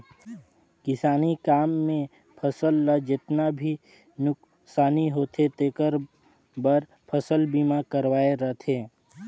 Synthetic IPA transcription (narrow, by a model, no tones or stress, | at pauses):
kɪsaːnikaːmːẽ | pʰəsəlːəd͡ʒɪt̪nabʱi | nʊk | saːniɦoːt̪ʰet̪eːkəɾ | bəɾ | pʰəsəlbiːmakəɾwaːeɾət̪ʰeː